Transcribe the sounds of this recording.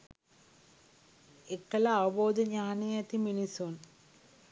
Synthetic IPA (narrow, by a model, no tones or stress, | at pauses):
ekːɐlɐːʋɐboːd̪ɐɲaːnijɐt̪iminisoːn